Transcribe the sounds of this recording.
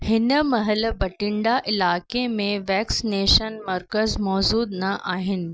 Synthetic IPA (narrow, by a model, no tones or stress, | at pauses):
hɪnəmɐɦəlbɐʈɪɳɖaʔɪlaːkemẽʋɛːksineːʃənmɐɾkəzmɔːzuːd̪nɐʔaːɦɪnɪ̆